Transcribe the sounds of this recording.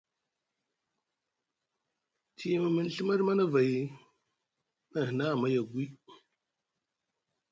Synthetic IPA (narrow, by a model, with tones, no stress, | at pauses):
tʰi˦˨ma˨mə˨n˨ɬə˦ma˦ɾma˦na˦va˨ji˨˦ | na˨hna˦˨ma˦ja˨ɡwi˦